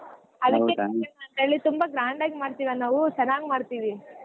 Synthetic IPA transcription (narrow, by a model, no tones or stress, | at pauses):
ɐd̪ɐkːeɐɐɐnt̪eːɭːit̪umbɐɡɾaːɳɖaːɡimaːɽt̪iːʋanaːʋusɐɾaːɡmaːɽt̪iːʋi